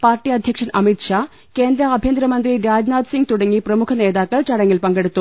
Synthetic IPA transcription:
paːrʈːiɐd̪ʱjɐkʂɐnɐmit̪ʂaː | ke̞ːnd̪ɾɐɐbʱjend̪ɾɐmɐnd̪riɾaːd͡ʑnaːd̪siŋɡ̚t̪uɽɐŋːiprɐmukʰɐne̞ːðaːkːɐɭt͡ɕɐɽɐŋːilpɐŋɡeɽut̪ːu

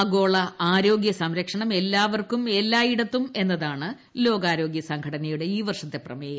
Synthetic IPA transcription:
ɐɡo̞ːɭɐaːɾo̞ːɡjɐsɐmɾɐkʂɐɳɐme̞lːaːʋɐrkume̞lːaːjiɽɐt̪ːume̞nːɐðaːɳɨ | lo̞ːɡaːɾo̞ːɡjɐsɐŋkʰɐɽɐnɐjuɽe̞iːʋɐrʂɐt̪ːe̞prɐ̰meːjɐ

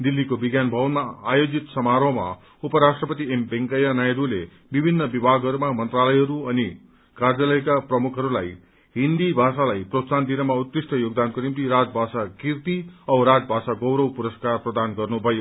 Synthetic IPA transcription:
d̪ilːikobiɡjanbʱʌwnmaːjod͡zit̪sʌmaɾʌma̰ | upʌɾasʈrʌpʌt̪iembeŋkʌjanajd̪ule | bibʱinːʌbibʱaɡʱɦʌɾumamʌnt̪ralʌjɦʌɾuʌni | kard͡zʌlʌjkaprʌmukʰʌɾulaj | ɦind̪ibʱasalajprot̪sand̪inʌmaut̪risʈʌjoɡ̚d̪ankonimt̪iɾad͡zbʱasakirt̪iʌɾad͡zbʱasaɡʌwɾʌwpuɾʌskarprʌd̪anɡʌrnubʱʌjo

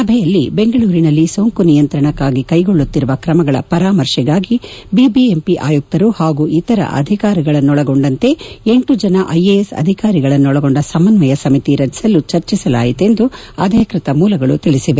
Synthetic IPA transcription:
sɐbʱɛjɐlːibe̞ŋɡɐɭuːɾinɐlːiso̞ːŋkunijɐnt̪ɾɐɳɐkːaːɡikɐjɡoɭːut̪ːiɾuʋɐkɾɐmɐɡɐɭɐ̰pɐɾaːmɐɾʂɛɡaːɡibibiempiʔa̰ːjuk̚t̪ɐɾuhaːɡuʔit̪ɐɾɐ̰ʔɐ̰d̪ʱikaːɾiɡɐɭɐnːɔɭɐɡo̞ɳɖɐnt̪e̞eɳʈud͡ʒɐnɐʔɐjeesɐ̰d̪ʱikaːɾiɡɐɭɐnːɔɭɐɡoɳɖɐsɐmːɐnʋɐjɐsɐmit̪iɾɐd͡ʒi̥sɐlːut͡ʃɐɾt͡ʃisɐla̰ːjit̪e̞nd̪uɐd̪ʱɐkɾit̪ɐmuːlɐɡɐɭṵt̪iɭisiʋe

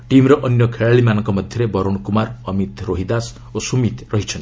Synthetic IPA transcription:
ʈimɾʌʔʌnjʌkʰeɭaɭimanʌŋkɔmʌd̪ʱjʌɾebʌɾoɽ̃kumarʌmit̪roɦid̪as | osumit̪rʌɦit͡ʃʰʌn

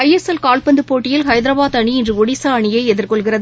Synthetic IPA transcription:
ɐjɛsɛlkaːlpɐnd̪ɯpːoːʈːɪjɪlhɐɪðɪɾɐbaːðɐɳiɪndrɯɔɽɪsaːɐɳɪjɐɪɛðɪrkɔɭɣɪrɐðɯ

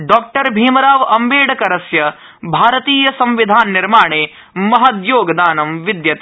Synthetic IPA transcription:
ɖɔːk̚ʈɐɾbʱiːmɐɾaːʋɐmbeːɽɐkɐɾɐsjɐ | bʱaːɾɐt̪iːjɐsɐ̃mʋid̪ʱaːnːiɾmaːɳeː | mɐɦɐd̪joːɡɐd̪aːnɐmʋid̪jɐt̪ː

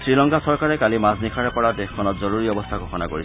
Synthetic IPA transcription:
sɹilɔŋkasɔɹkaɹɛkalimasnikʰaɹɛpɔɹadexkʰːɔnɔtzoɹuɹiɔbɔst̪ʰaɡɔxʰɔnakoɹisɛ

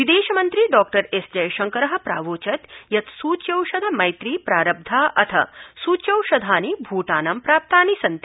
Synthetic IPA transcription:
ʋid̪eːʃɐmɐnt̪ɾiɖɔːk̚ʈɐɾesd͡ʒɐjʃɐŋkɐɾɐɦɐ̆pɾa̰ːʋoːt͡ʃɐt̪jɐt̪suːt͡ʃjɐwʃɐd̪ʱɐmɐjt̪ɾiːpɾaːɾɐb̚d̪ʱaːʔɐt̪ʰɐ̰suːt͡ʃjɐwʃɐd̪ʱaːnibʱuːʈaːnɐmpɾaːp̚t̪aːnisɐnt̪i

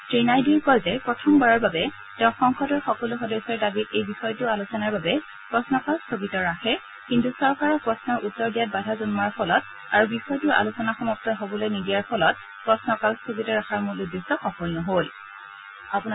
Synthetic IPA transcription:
tɹinajdukɔjzɛpɹɔtʰɔmbaɹɔɹbabɛ | tɛʊ̃xɔŋxɔdɔɹxɔkɔluxɔdɔjsɔɹdabitejbixɔjtʊalusɔnaɹbabɛ | pɹɔsnɔkalstʰoɡitɔɹaxʰɛ | kintusɔɹkaɹɔpɹɔsnɔɹʔutːɔɹdijat̚badʱazɔnmaɹpʰɔlɔt̚ | aɹubixɔjtuɹʔa̰lusɔnaxɔmɔk̚tɔjɦobɔlojnidijaɹpʰɔlɔt̚ | pɹɔsnɔkalstʰoɡitɔɹaxaɹmuɹludistɔxɔkɔlnɔɦol | apun

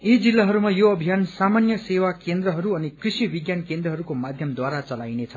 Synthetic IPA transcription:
id͡zilːaɦʌɾumajoʌbʱijansamanjʌsewakend̪rʌɦʌɾuʌnikrisibiɡjankend̪rʌɦʌɾukomad̪ʱjʌmd̪waɾat͡sʌlajnet͡sʰʌ

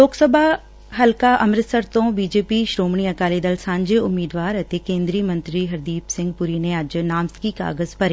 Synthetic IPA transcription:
loːksəbʱa | ɦɐlkaʔɐmɾɪt̪səɾt̪õːbiːd͡ʒeːpiʃɾoːmɳ̃iɐkaːlid̪əlsãːɲd͡ʒeʊmiːd̪ʋaːɾɐt̪ekẽːnd̪ɾiəmɐ̃nt̪ɾiɦɐɾd̪iːpsɪ̃ŋɡ̚pʊɾiːnẽɐd͡ʒnaːmskika̰ːɡəzpɐɾe

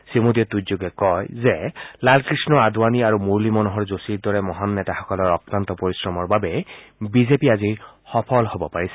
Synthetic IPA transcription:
simod̪iɔt̪uzoɡɛkɔjzɛlalkɹisnɔad̪ʱwaniaɹumuɹlimɔnuɦɔɹzosiɹd̪ɔɹɛmɔɦanːɛtaxɔkɔlɔɹɔkɹant̪ɔpoɹisɹɔmɔɹbabɛbizepiazixɔpʰɔlhobɔpaɹisɛ̥

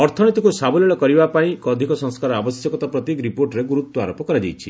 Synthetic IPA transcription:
ɔɾt̪ʰɔnit̪ikusabɔlɔɭɔkɔɾibapaĩkɔd̪ʱikɔsɔ̃ŋskaɾɔabɔsjɔkɔt̪ɔpɾɔt̪ikɾipoɾʈɾeɡuɾut̪ːwɔa̰ɾopɔkɔɾad͡ʒḛjt͡ʃʰḭ

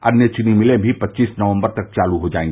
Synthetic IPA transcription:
ɐnjət͡ʃʊnimɪlẽbʱipɐtːʃiːsnəʋə̃mbəɾt̪ɐk̚t͡ʃaːluɦod͡ʒaːẽŋɡe

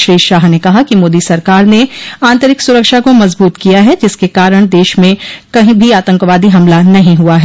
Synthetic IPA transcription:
ʃɾiːʃaːɦnekɐɦakimoːd̪isɐɾkaːɾneãːnt̪əɾɪksʊɾəkʃakomɐzbuːt̪kijaɦɛd͡ʒɪskekaːɾəɽ̃d̪eːʃmẽkɐɦĩbʱiaːt̪ə̃ŋkʋaːd̪iɦɐmlanɐɦĩɦuaɦɛː

